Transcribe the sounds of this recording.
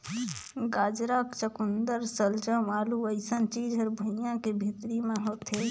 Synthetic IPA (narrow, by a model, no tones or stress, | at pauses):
ɡaːd͡ʒɾaːkt͡ʃəkund̪əɾsəlt͡ʃə̃ʋaːluəɪsənt͡ʃiːd͡ʒʱəɾbʱujãkebʱit̪ɾimẽɦoːt̪ɦe